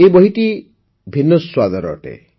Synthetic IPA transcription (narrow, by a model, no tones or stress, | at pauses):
ebɔɦit̪i | bʱinːɔswad̪ɔɾɔ̰ʈḛ